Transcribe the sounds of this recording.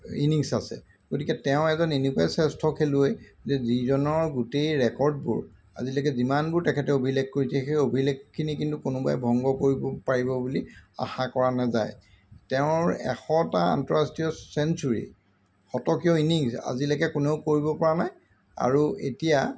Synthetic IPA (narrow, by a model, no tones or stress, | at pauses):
iniŋsasɛ̰ | ɡ̥otikɛtɛʊ̃ɛzɔnenikɔajsɛstʰɔkʰeluejzɛzizɔnɔɹɡutejɹɛkɔɹd̚bṵɹ | a̰zilɛkɛzimanbʊɹtɛkʰɛtɛobʱilek̚koɹisɛxejobʱilekkʰːinikintukonʊba̰jbʱɔŋɡɔkoɹibɔpaɹibɔbulia̰xakɔɹanazaj | tɛʊ̃ɹɛ̰xɔtaa̰ntɔɹastiɔsɛnsuɹḭ | xɔtɔkiɔiniŋsa̰zilɛkɛkʊneʊkoɹibɔpɔɹanaj | a̰ɹuetija